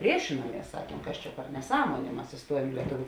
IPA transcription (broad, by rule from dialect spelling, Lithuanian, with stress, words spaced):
ˈpʲrʲiɛʃʲɪnuɔmʲiɛs ˈsɑːkʲiɛm ˈkɐs t͡ʃʲɛ pʲɛr nʲɛˈsɑːmoːnʲeː ˈmɐs ɪˈstuɔjuɔm iː lʲiɛˈtʊʋʲʊ